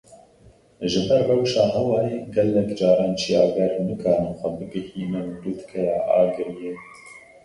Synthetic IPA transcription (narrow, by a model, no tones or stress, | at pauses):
ʒɨbɛɾːɛwʃɑːɦɛwɑːjeɡɛlːɛkd͡ʒɑːɾɑːnt͡ʃʰijɑːɡɑːɾenɨkʰɑːnɛxʷɛbɨɡɨhiːnɛwud̪ut̪kʰɛjɑːʔɑ̰ːɡɨɾjeː